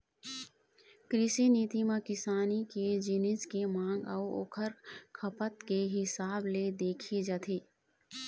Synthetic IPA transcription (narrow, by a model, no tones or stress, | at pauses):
kɾɪʃiniːt̪imãkɪsaːniked͡ʒɪnɪskemãːŋɡəuo̰ːkʰəɾkʰəpət̪keɦɪsaːbled̪eːkʰid͡ʒat̪ʰiː